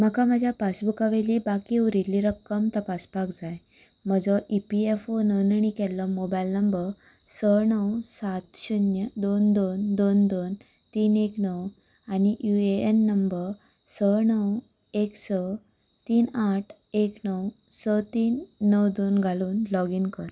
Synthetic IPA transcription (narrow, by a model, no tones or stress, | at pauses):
m̤əkaməd͡ʑʱjapasbukaʋelibakiuɾilːiɾəkːəmt̪əpaspakd͡zaj | m̤əd͡zɔʔipiefonəwnəɳ̃ikɛlːəmobajlnəmbəɾ | səɳəwsat̪ɕunjəd̪ond̪ond̪ond̪on | t̪iːneknəw | añiʔjueenːəmbəɾ | sənəw | eksə | t̪iːnaʈʰ | eknəw | sət̪iːnːəwd̪onɡʱaluːnlɔɡinkəɾ